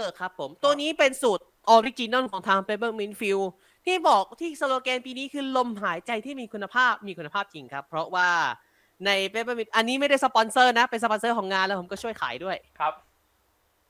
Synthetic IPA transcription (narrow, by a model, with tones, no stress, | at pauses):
kʰɾa˦˥pʰːo˩˦mt̪u˧ɐniː˦˥pe˧nsuː˨˩t̪̚ʔɔː˧wi˦˥t͡ɕiː˧nɔ˥˩kʰɔː˩˦ŋt̪ʰaː˧ŋpe˧˦˥bɤː˧˥˩mi˧˥nfi˧w | t̪ʰiː˥˩bɔː˨˩k̚t̪ʰiː˥˩so˧loː˧kɛː˧npiː˧niː˦˥kʰɯː˧lo˧mɦaː˩˦jt͡ɕa˧jt̪ʰiː˥˩miː˧kʰu˧nːa˧pʰaː˥˩p̚miː˧kʰu˧nːa˧pʰaː˥˩p̚t͡ɕi˧ŋkʰa˦˥pʰːɾɔ˦˥waː˥˩ | na˧jpe˦˥bɤː˧˥˩mi˧˥nʔa˧nːi˦˥ma˥˩jda˥˩jsa˧pɔ˧nsɤː˥˩na˦˥pe˧nsa˧pɔ˧nsɤː˥˩kɔː˩˦ŋaː˧nlɛː˦˥pʰo˩˦kɔ˥˩t͡ɕʰu˥˩əjkʰa̰ː˩˦jdu˥˩əjʰp̚